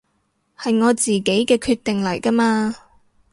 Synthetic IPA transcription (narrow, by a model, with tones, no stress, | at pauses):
hɐ˨jŋɔː˨˧t͡siː˨ke˨˥jkɛː˧kʰyː˧t̪ɪ˨ŋlɐ˨˩jkɐ˥maː˧